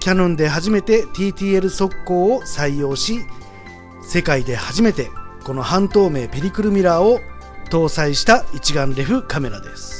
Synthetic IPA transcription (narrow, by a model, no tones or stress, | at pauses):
kʲanõ̞nd̪e̞ɦaʑime̞t̪e̞t̪ʲiːt̪ʲiːe̞ɾɯ̟so̞kːo̞ːsaijo̞ːɕi | se̞kaid̪e̞haʑime̞t̪e̞ko̞no̞hãnt̪o̞ːme̞ːpe̞ɾʲikɯ̟ɾɯ̟mʲiɾaot̪o̞ːsaiɕi̥t̪ait͡ɕiɡãnɾe̞ɸɯ̟kame̞ɾad̪e̞sɨ̥